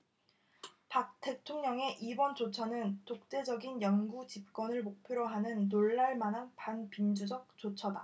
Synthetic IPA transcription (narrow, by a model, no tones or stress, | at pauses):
pak̚t͈e̞tʰoŋɲʌŋe̞ʔibʌnt͡ɕot͡ɕʰʌnɯntok̚t͈e̞d͡ʑʌɡinjʌŋɡut͡ɕip̚k͈wʌnɯɭmok̚pʰjoɾoɦanɯnːoɭːaɭmanɦanpanpind͡ʑud͡ʑʌk̚t͡ɕ͈ot͡ɕʰʌda